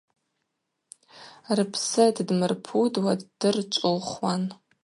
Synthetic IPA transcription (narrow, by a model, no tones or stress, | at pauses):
rɨpʰsɨddmɨrpʰudwaddɨrt͡ʃʷʼʊlχwan